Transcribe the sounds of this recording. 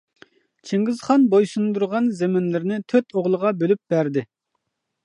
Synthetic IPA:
t͡ʃʰiŋɡʲɪzχɑnbojsund̪uɾʁɑnzemɪnlɪɾnɪt̪ʰøt̪oʁlˠəʁɑbølyp̚b̥æɾd̪ɪ

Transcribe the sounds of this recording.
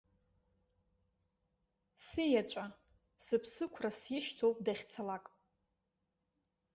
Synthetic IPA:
sijat͡ʃʷʼa | sɨpʰsɨkʷʰrasjɪʃtʰowpʼdaχʲt͡sʰalakʼ

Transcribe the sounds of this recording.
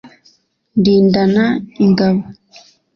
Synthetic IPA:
ndiːndanaiŋɡaβo

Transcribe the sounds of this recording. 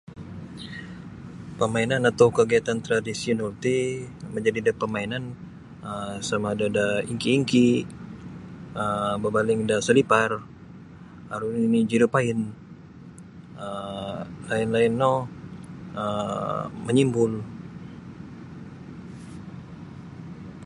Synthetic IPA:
pəmainanat̪akəɡiat̪ant̪ɾadisiɔnɔlt̪iməɲd͡ʒadidapəmainan | əsamadadaiŋkiːŋki | əbabalɪŋdasəlipar | aɾuinid͡ʒiɾupaɪn | ə | laɪnlaɪnːɔ | ə | məɲimbʊl

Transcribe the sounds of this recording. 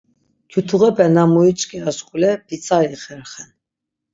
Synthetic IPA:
kjut̪ʰuʁɛbɛnamuit͡ʃʼkʼiaskʼulɛb̥it͡sʼaɾiχɛɾχɛn

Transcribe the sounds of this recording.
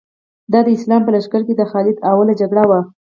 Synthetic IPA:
d̪ɑd̪əɪslɑmpəlaʃkaɾk̬ed̪əxɑlɪd̪awalad͡ʒaɡɽawa

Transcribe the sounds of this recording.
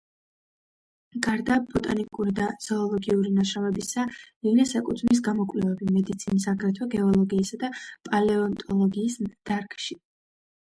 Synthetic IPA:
ɡaɾd̪ab̥ɔt̪ʼanikʼuɾid̪az̥ɔːlˠɔɡiuɾinaʃɾavɛbisaiɡnɛsakʼut̪ʰmis̬ɡamɔkʼvlɛvɛbimɛd̪it̪sʰinisaɡɾɛt̪ʰwɛɡɛɔlˠɔɡiːsad̪apʼalɛɔnt̪ʼɔlˠɔɡiːsd̪̥aɾkʼʃi

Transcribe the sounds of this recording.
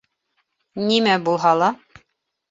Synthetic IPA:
nimæbulˠɦɑlˠɑ

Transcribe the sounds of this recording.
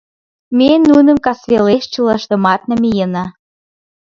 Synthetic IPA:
menːunə̆mkɑsβeleʃt͡ɕəlɑʃt̪ə̆mɑt̪̚nə̆mejənɑ

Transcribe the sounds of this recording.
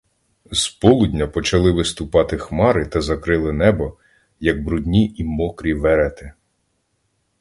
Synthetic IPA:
z̥pɔlˠudʲnʲɐpɔt͡ʃɐlˠɪʋɪst̪ʊpɑt̪ɪxmɑɾɪt̪ɐzɐkɾɪlˠɪnɛbɔ | jɐɡ̚bɾʊdʲnʲiimɔkɾʲiʋɛɾɛt̪ɪ

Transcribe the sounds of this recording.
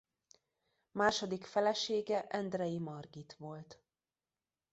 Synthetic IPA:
maːʃod̪ikfɛlɛʃeːɡɛʔɛnd̪rɛjimɒrɡit̪ʋo̞lt̪

